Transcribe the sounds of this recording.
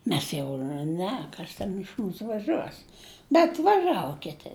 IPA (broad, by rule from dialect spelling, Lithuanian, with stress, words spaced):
ˈmʲɛs jɛʊ nʊ ˈnʲɛ ˈkɐs tʲɛn ɪʃ ˈmuːsʊ ʋɐˈʒuɔs bʲɛt ʋɐˈʒɑːʋoː ˈkʲɪtʲɪ